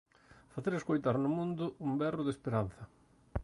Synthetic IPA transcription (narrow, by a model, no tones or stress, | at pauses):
faθeɾeskojt̪aɾnʊmũnd̪ʊumbɛrʊðespeɾanθɐ